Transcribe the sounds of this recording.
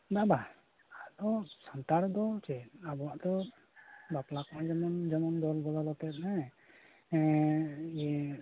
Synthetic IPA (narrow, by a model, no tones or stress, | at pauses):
d̪aba | ad̪ɔsant̪aɾd̪ɔt͡ʃɛnabɔwaʔd̪ɔ | baplakɔnad͡ʒɔmɔnd͡ʒɔmɔnd̪ɔlbɔlalɔt̪ɛt̪̚na | ijɛ